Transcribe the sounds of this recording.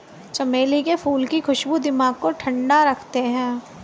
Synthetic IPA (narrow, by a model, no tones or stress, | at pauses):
t͡ʃɐmeːlikefʰuːlkixʊʃbud̪ɪmaːɡ̚koʈʰɐ̃ɳɖaɾɐkʰt̪eɦɛ̃ː